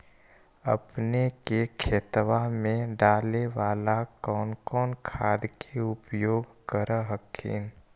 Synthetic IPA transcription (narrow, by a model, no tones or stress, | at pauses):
ə̰pnekekʰeːt̪ʋamẽɖaːleʋaːlakɔːnkɔːnkʰaːd̪kʰeʊpjoːɡkəɾəɦəkʰḭːn